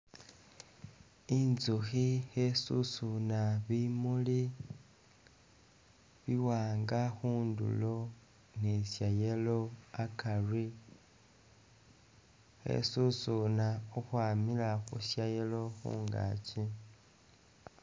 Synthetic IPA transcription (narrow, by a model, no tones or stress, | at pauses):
inzuxihesusunaβimuli | βiwaːŋɡaxuːndṵlo̞ | nesjajeloakari | xḛsusunauxwaːmilaxusjajelo̞xṵːŋɡa̰ːt͡si